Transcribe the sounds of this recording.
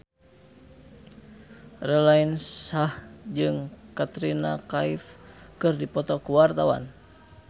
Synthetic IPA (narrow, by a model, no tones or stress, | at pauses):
rɛlainssahd͡ʒɨŋkat̪ɾina̰kaifkɨrdipɔt̪ɔkuwart̪awa̰n